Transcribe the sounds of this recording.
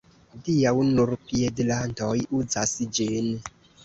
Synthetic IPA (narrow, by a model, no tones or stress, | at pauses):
dijawnuɾpiɛdlandɔjud͡zasid͡ʒen